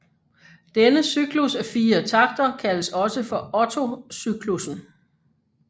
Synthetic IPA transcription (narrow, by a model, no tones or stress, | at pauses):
d̥enəsyɡ̥lusæfiːɐt͡sʰɑ̈ɡ̥̚d̥ɐkʰæləsɒ̽səfɒ̽ɒ̽t͡sʰo̝syɡ̥ʰlusn̩